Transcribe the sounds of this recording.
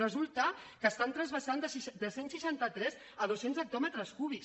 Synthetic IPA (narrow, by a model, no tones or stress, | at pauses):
əzulˠt̪əkəːst̪ant̪ɾəzβəsand̪əsʃd̪əsensːiʃant̪ət̪ɾɛz | əð̞osenzək̚t̪ɔmət̪ɾəskuβi